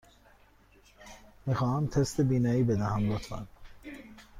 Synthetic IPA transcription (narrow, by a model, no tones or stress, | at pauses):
mixɒːhæmt̪ʰest̪ebiːnɒːiːbed̪æhæmlot̪ʰæ̰n